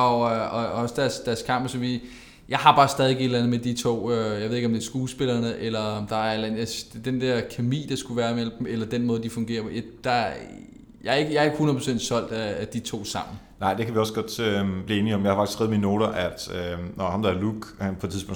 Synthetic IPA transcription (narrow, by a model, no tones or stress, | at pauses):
ɒ̽øɒɒsd̥æɐsd̥æɐskʰɑ̈m̰b̥sɒ̽mʋiː | jɑ̈ɪɦɑ̈b̥ɑ̈ːsd̥ɛðˠe̝ɡ̥e̝dlænð̩ˠmed̥it͡sʰo̝̰ːøjɑɪe̝ðˠe̝ɡ̥ɒmd̥e̝ɐsɡ̥uːsb̥e̝lɐnəʔelɐd̥ɑ̈æɐlænjasd̥d̥end̥ɛɐ̰kʰemḭːd̥ɑ̈sɡ̥uʋæːɐimel̰b̥m̩elɐd̥enmɔ̽ːð̞̩ˠd̥ifɔ̽ŋɡe̝̰ːɐd̥ɑ | jɑe̝ɡ̥əjɑɐe̝ɡ̥əhunɐpʰɔsen̰d̥sɒ̽l̰d̥ææd̥it͡sʰo̝̰ːsɑ̈m̰n̩ | nɑ̈ɪ̰d̥e̝kʰæʋiɒ̽sɡ̥ɒd̥øb̥liːe̝ːniɒ̽mjɑɪhɑfɑ̥i̥sɡ̥ɛð̩ˠminːo̝ːɾ̥ɐʔæd̥ønɒhɑ̈md̥ɑ̈æɐluɡ̥pʰɒde̥t͡sʰið̩ˠsbɔ̰̽